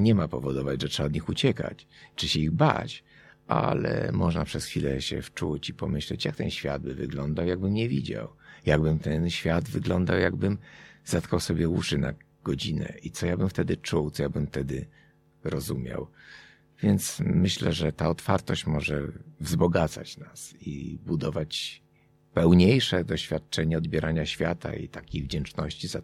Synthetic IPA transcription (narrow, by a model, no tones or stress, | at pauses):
ɲɛmapɔvɔd̪ɔvad͡ʑʐɛtʂɛaɔd̪ɲixut͡ɕɛka̰t͡ɕt͡ʂɘɕɛiɣba̰t͡ɕʔa̰lɛ̰mɔʐnapʂɛsxʲfʲilɛɕɛ̰ft͡ʂut͡ɕipɔmɘɕlɛt͡ɕjak̚t̪ɛnɕfʲja̰d̪̚bɘvɘɡlɔnd̪awjaɡ̚bɘmɲɛvʲid͡ʑa̰wjaɡ̚bɘmt̪ɛnɕfʲjad̪vɘɡlɔnd̪awjaɡbɘmz̥at̪kawsɔbʲjɛwuʂɘna | ɡ̥ɔd͡ʑinɛ̰ʔit̪sɔjabɘmft̪ɛd̪ɘt͡ʂuwt̪sɔjabɘmft̪ɛd̪ɘ | ɾɔzumʲja̰w | vʲjɛnt̪smɘɕlɛʐɛt̪aɔt̪faɾt̪ɔɕt͡ɕmɔʐɛvzbɔɡat̪sa̰t͡ɕnasḭbud̪ɔvat͡ɕ | pɛwɲejʂɛd̪ɔɕfʲjat̪̚t͡ʂɛɲɛɔd̪̚bʲjɛɾʔaɲaɕfʲjat̪a̰ḭt̪akʲejvd͡ʑɛnt͡ʂnɔɕt͡ɕiza